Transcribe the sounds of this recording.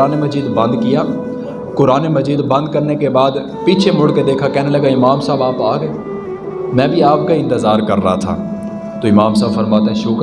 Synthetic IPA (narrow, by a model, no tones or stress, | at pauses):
aːnemɐziːd̪bɐ̃nd̪kijaː | kʊɾaːnemɐziːd̪bɐ̃nd̪̚kɐɾnekebaːd̪ | piːt͡ʃʰemʊɽked̪eːkʰakɛːnelɐɡaɪmaːmsaːbaːpaːɡəe | mɛ̃ːbʱiaːp̚kaɪ̃nt̪ɪzaːɾkɐɾːɐ̰ɦat̪ʰa̰ː | t̪oːɪmaːmsaːbfɐɾmaːt̪eɦɛ̃ʃʊk